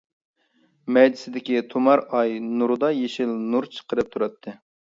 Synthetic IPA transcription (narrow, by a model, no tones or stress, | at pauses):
mɛjd̪ɪsɪd̪ɪkʲit̪ʰomɑɾɑjnuɾd̪ɑjeʃɪlnuɾt͡ʃʰə̥qəɾɨp̚t̪ʰuɾɑt̪ʰːɨ